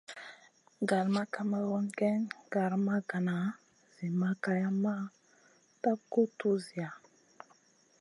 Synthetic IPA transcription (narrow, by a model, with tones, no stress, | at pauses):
ɡa˨ɾma˦ka˦ma˦wo˦nɡɛ˦nɡa˨ɾma˦ɡa˨na˨ | z̥i˨ma˦ka˦ja˦ma˦ | ta˦b̚ko˦tu˦zi˨a˨